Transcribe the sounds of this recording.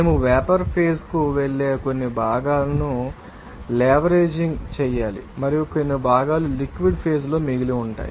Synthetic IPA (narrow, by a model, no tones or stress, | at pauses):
neːmuʋɛːpɐɾpʰe̞ːskuʋeɭːeːko̞nːibʱaːɡaːlɐnu | lɛːʋɐɾe̞ːd͡ʒiŋɡt͡ʃɛːjaːlḭmɐɾijuko̞nːibʱaːɡaːlulikʋiɖpʰeːs̬lo̞ːmiɡiliuɳʈa̰ːjḭ